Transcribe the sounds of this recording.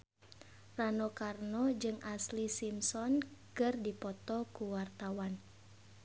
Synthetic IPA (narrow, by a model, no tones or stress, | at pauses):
ranɔkarnɔd͡ʒɨŋaslisimsɔnkɨrdipɔt̪ɔkuwart̪awan